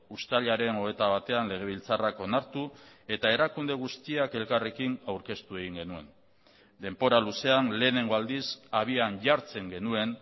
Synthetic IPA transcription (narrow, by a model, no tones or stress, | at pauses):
ust̪aʎaɾe̞no̞e̞t̪aβat̪e̞anle̞ɣ̞e̞β̞ilt͡sarako̞naɾt̪ue̞t̪ae̞ɾakund̪e̞ɣ̞ust̪iake̞lkare̞kinawɾke̞st̪ue̞ɣ̞iŋɡe̞nue̞̰n | d̪e̞mpo̞ɾaluse̞anle̞ːne̞ŋɡo̞ald̪isaβ̞iaɲʝaɾt͡se̞ŋɡe̞nue̞n